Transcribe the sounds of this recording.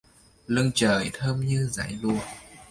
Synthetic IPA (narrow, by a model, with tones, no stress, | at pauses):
lɨ˧əŋt͡ɕəː˨˩jt̪ʰəː˧mɲɨ˧za̰˧˩˥jlu˧ə